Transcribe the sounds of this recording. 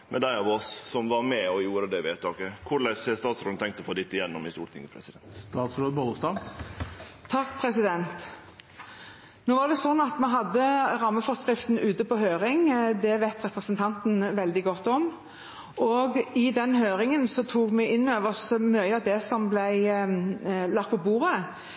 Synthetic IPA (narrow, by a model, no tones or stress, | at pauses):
mɛ̰d̪æɪɑʋɔssɔmʋɑɾmɛɔjuːɾəd̪ɛʋɪæt̪ʰɑːkəkʰʊɭæsɛst̪ɑːt̪sɾo̰ːd̪nt̪ʰɛŋk̚t̪ɔfoːd̪ɪt̪ːɪjɛnːɔmɪst̪uːɾʈ̪ʰɪ̰ŋəpʰɾɛsɪd̪ɛst̪ɑːt̪sɾoːd̪bɔlʊst̪ɑʋ | t̪ʰːɑkːpʰɾɛsɪd̪ɛnt̪ | noːʋɑd̪ɛsɔnːɑt̪mɛɦɑd̪ːəʁɑmːəfɔskʁɪft̪n̩ʉːt̪əpɔhøːɾɪŋd̪ɛʋæɪt̪ʁɛpɾəsənt̪ʰɑnt̪n̩ʋɛld̪ɪɡɔt̪ːɔm | ʔɔɡɪd̪ɛnhøːɾɪŋənsɔt̪ʰuːkmɛʔɪnːøːʋəsmœʏɑd̪ɛsɔmblæɪ | lɑkt̪̚pʰɔbuːʁə